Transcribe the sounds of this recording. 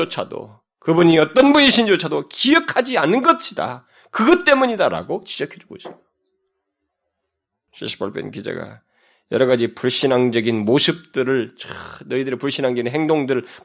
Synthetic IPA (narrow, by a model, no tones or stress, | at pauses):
ot͡ɕʰado̰ | kɯbuɲiʌt͈ʌnbuɲiɕʰind͡ʑot͡ɕʰadokiʌkʰad͡ʑianɯnɡʌɕʰida̰ | kɯɡʌt͈e̞muɲidaɾa̰ɡot͡ɕid͡ʑʌkʰe̞d͡ʑuɡoisʰejo | ɕʰḭɕ͈ʰi̥pʰaɭp͈ʰḛnkid͡ʑḛɡa̰ | jʌɾʌɡad͡ʑipuɭɕ͈inɦaŋd͡ʑʌɡinmosʰɯp̚t͈ɯɾɯɭt͡ɕnʌidɯɾipuɭɕ͈inɦaŋd͡ʑʌɡinɦeŋdoŋdɯɾɯɭ